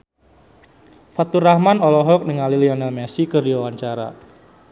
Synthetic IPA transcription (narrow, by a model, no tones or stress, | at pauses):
fat̪urahmanɔlɔɦɔk̚nəŋaliliɔnɛlmɛsikərdiwawaɲt͡ʃaɾa̰